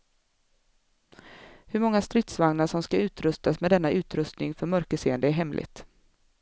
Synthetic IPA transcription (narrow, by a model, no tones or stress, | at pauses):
hɵɾmɔŋːast̪ɾɪt̪svaŋnaʂɔmskaʉ̟ːt̪ɾɵst̪asmɛd̪ɛnːaʔʉ̟ːt̪ɾɵst̪nɪŋfœɾmœɾkəʂeːənd̪əæɾɦɛmlʔɪ̰t̪